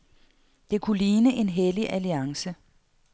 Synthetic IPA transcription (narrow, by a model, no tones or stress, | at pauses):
d̥e̝kʰuliːnəʔe̝nɦeliʔæliɑ̈ŋsə